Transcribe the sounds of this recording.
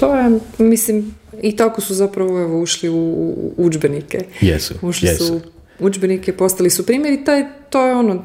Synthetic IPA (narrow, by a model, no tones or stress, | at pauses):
t̪o̞jemislim | it̪akosuzapɾaʋoeʋouʃliṵud͡ʒbenikejɛ̰suʃlisu | ud͡ʒbenikepo̞st̪alisupɾiːmjeɾit̪ajt̪ojeo̞no